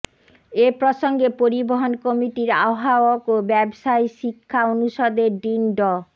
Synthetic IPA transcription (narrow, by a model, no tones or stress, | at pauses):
epɾoʃoŋɡepoɾiboɦonkomiʈiɾa̰oɦaookobɛbʃajʃikʰːaonuʃɔd̪eɖinɖɔ